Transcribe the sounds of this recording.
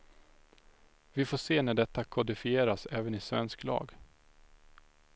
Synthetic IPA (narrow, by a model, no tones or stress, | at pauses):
vɪfoːʂeːnæɖɛt̪ːakʰʊd̪ɪfɪeːɾasɛːvənɪsvɛnsklɑ̰ːɡ